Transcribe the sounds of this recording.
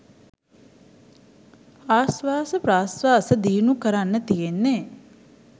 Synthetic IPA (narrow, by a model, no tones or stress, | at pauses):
aːsʋaːsəpɾaːsʋaːsəd̪iːnukəɾanːət̪ijenːeː